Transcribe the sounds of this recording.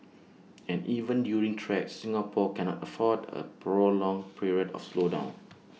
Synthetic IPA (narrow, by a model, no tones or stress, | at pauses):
ɛ̃nʔivə̃ndjuɹĩŋtʰɹɛk̚sĩŋapʰɔkɛnɔ̰təfɔdə̰pʰɹolɔ̃ŋpʰɹiɹiədɔ̰fslodã̰ʊ̃n